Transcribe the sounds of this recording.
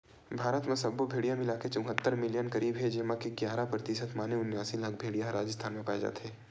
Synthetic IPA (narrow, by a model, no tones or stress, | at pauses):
bʱaːɾət̪mesɐbubʱeːɽijamɪlaːket͡ʃʊ̃ŋɦət̪ːəɾmɪlijənkɐɾiːbɦed͡ʒeːmakeɡjaːɾapɾɐt̪isət̪maːneʊnjaːsilɐɡbʱeːɽijãɾaːd͡ʒəst̪ʰaːnmẽpaːed͡ʒa̰ːt̪ɦeː